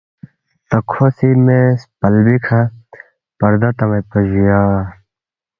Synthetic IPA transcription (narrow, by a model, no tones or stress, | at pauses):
t̪ɐkʰosimespɐlbikʰɐ | pɐɾd̪ɐt̪ɐmɐpɐd͡ʑijaː